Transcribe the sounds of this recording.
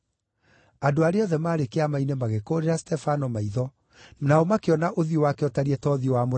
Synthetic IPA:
adoaɾeɔðɛmaːɾekeamainemaɣekoɾeɾastɛfanɔmaiðɔ | naɔmakeɔnaʔoðiowakeɔtaɾiɛtɔðiowamo

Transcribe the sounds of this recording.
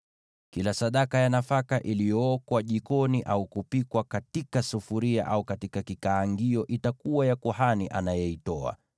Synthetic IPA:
kilasaɗakajanafakaʔilijɔɔkwaʄikɔniʔaukupikwakatikasufuɾia̰ʔaukatikakikaːŋɡiɔʔitakuwajakuhaniʔa̰najɛitɔa̰

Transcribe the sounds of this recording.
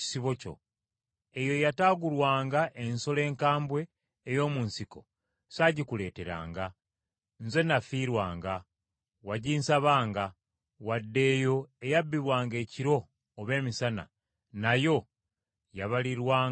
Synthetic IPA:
siβo̞co̞̰ | e̞jo̞jataːɡulwaːŋɡaʔenso̞le̞ːŋkaːmbwe̞ː | jo̞ːmunsiko | saːɟikule̞ːte̞ɾa̰ːŋɡa | nze̞nafiːɾwaːŋɡa | waɟiːnsaβaːŋɡa | wadːe̞ːjo̞ejabːiβwaːŋɡe̞ːciɾo̞ː | βe̞ːmisana̰ | najo̞ | jaβaliɾwaː

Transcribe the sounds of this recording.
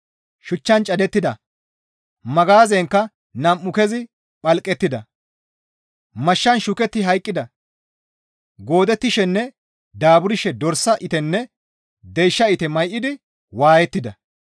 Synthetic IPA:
ʃʊt͡ʃːɐnt͡ʃʼɐd̪ɛt̪ːɪd̪ɐ | mɐɡaːzɛŋkːɐ | nɐmːʊkɛzɪ | pʼɐlkʼːɛt̪ːɪd̪ɐ | mɐʃːɐnʃʊkɛt̪ːɪɦɐjkʼːɪd̪ɐ | ɡo̞ːd̪ɛt̪ːɪʃɛnːɛ | d̪aːbʊɾɪʃɛd̪ɔɾsɐʔɪt̪ɛnːɛ | d̪ejʃːɐɪt̪ɛmɐjʔɪd̪ɪ | waːjɛt̪ːɪd̪ɐ

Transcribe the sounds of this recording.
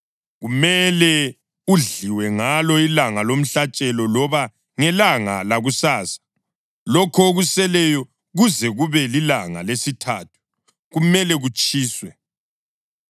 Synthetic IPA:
ɣumɛlɛ | uɮiwɛŋalɔilaŋalom̩ɬat͡ʃʼɛlɔlɔβa | ŋɛlaŋa̰laɣusaːsḁ | lɔkʰoɣusɛlɛjɔ | ɣuzɛɣuβɛlilaŋa̰lesitʰaːtʰu̥ | ɣumɛlɛɣut͡ʃʼiːswɛ

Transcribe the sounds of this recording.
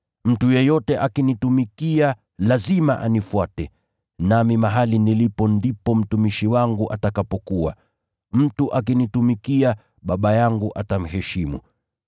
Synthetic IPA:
m̩tujɛjɔtɛʔakinitumikia | lazima̰ʔa̰nifwatɛ | namimaɦalinilipɔndipɔm̩tumiʃiwaŋɡuʔatakapɔkuwa̰ | m̩tuʔakinitumikia | ɓaɓajaŋɡuʔatam̩hɛʃimṵ

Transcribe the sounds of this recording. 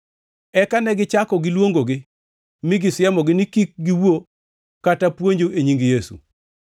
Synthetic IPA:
ɛkanɛɡɪt͡ʃakɔɡɪlwoŋɡoɡɪ | mɪɡɪsjɛmɔɡɪnɪkik̚ɡiwo | katapwoɲd͡ʒoeɲiŋɡijesṵ

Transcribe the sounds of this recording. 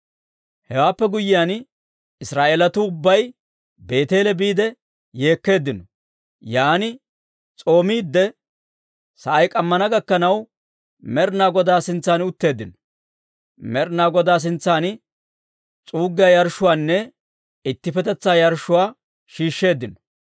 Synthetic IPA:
hɛwaːpːɛɡʊjɪjaːn | ɪsɾaːʔeːlɐt̪ʊʊbːɐj | be̞ːt̪e̞ːlɛbiːd̪ɛ | je̞ːkːe̞ːd̪ːɪnɔ | jaːnɪ | t͡sʼo̞ːmiːd̪ːɛ | sɐʔɐjkʼɐmːɐnɐɡɐkːɐnɐw | mɛɾnaːɡɔd̪aːsɪnt͡sːaːnʊt̪ːe̞ːd̪ːɪnɔ̥ | mɛɾnaːɡɔd̪aːs̬ɪnt͡sːaːn | t͡sʼuːɡːɪjaːjɐɾʃʊwaːnːɛ | ɪt̪ːɪfɛt̪ɛt͡sːaːjɐɾʃʊwaː | ʃiːʃːe̞ːd̪ːɪnɔ

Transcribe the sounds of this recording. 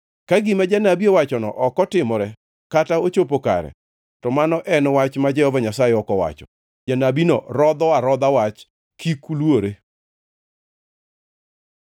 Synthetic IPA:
kaɡɪmad͡ʒanabiowat͡ʃɔnɔ̰ʔɔkɔtɪmɔɾɛ | kataot͡ʃopoka̰ɾɛ̰ | tɔmanɔʔɛnwat͡ʃmad͡ʒɛhɔvaɲasajɛɔkɔwa̰t͡ʃɔ̰ | d͡ʒanabinɔ̰ɾɔd̪ɔaɾɔd̪awat͡ʃ | kikulwoɾe

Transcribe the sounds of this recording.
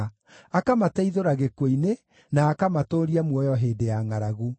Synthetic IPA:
akamatɛiðoɾaɣekwoine | naːkamatoːɾiamwɔjɔɦeːdejaŋaɾaɣu

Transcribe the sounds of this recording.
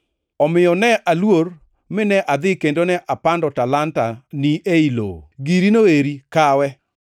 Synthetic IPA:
ɔmɪjɔnɛʔalwor | mɪnɛʔad̪ɪkendonɛʔapandɔtalantaniʔeilo̰ɡiɾinoeɾikawɛ

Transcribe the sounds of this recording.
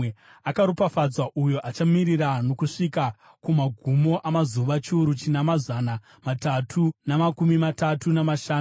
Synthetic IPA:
akaɾupafad͡zwaʔujo̞ʔat͡ʃamirirano̞kuʂika | kumaɡʱumo̞ʔamazuʋat͡ʃiuɾut͡ʃinamazana | matatʰunamakumimatatunamaʃaːu

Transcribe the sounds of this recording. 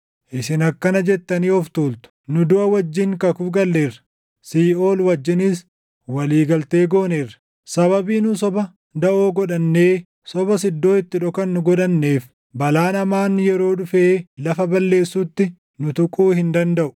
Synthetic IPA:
ʔɪsɪnɐkːɐnɐd͡ʒɛt̪ːɐniːɔft̪uːlt̪ʊ̥nʊd̪ʊʔɐwɐd͡ʒːɪŋkɐkʊfɡɐlːe̞ːrɐ̥ː | iːo̞ːlwɐd͡ʒːɪnɪs | wɐliːɡɐlt̪e̞ːɡo̞ːne̞ːrːɐ̥ | sɐβɐbiːnʊsɔbɐ | d̪ɐʔoːɡɔᶑɐnːe̞ː | sɔbɐsɪd̪ːo̞ːɪt̪ːɪᶑɔkɐnːʊɡɔᶑɐnːe̞ːf | bɐlaːnɐmaːnjɛɾo̞ːᶑʊfeːlɐfɐbɐlːe̞ːsːut̪ːɪ | nʊt̪ʊkʼuːhɪnd̪ɐnd̪ɐʔʊ̥

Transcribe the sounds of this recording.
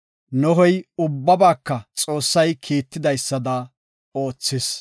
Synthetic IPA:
nɔhɔjʊbːɐbaːkːɐt͡sʼo̞ːsːɐjkʰiːt̪ːɪd̪ɐjsːɐd̪ɐ | oːt͡sːɪs

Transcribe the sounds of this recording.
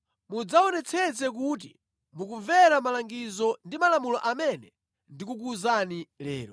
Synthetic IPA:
mud͡zaɔnɛt͡sʰɛt͡sɛk̬ut̬ḭ | mukuɱvɛɾamalaŋɡizɔndimalamulɔʔamɛnɛ | ndikuk̬uzanilɛ̰ːɾɔ

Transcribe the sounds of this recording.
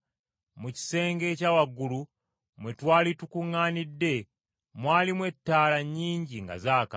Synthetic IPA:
muci̥se̞ːŋɡe̞ːcawaɡːulu | mwe̞twaːlitukuŋːaːnidːe̞ | mwaːlimwe̞tːaːlaɲːiːɲɟiŋɡa̰zaːka̰

